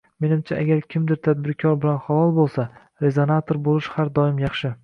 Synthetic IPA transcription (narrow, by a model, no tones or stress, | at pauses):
me̞nɪmt͡ʃʰaʔaɡʲaɾkʲʰɪmd̪ɪɾt̪ʰad̪̚bɪɾkʲʰɒɾbɪlanχalɒlˠbolˠsa | ɾe̞zonat̪ʰoɾbolˠɪʃhaɾd̪ɒɪmjɑχʃɪ